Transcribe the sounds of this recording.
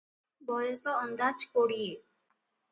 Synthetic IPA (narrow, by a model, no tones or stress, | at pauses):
bɔjesɔɔnd̪at͡ʃkoɽie